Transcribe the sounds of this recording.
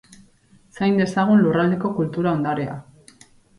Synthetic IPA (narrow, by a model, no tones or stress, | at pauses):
sajnd̪e̞saɣ̞unlurald̪e̞ko̞kult̪uɾao̞nd̪aɾea̰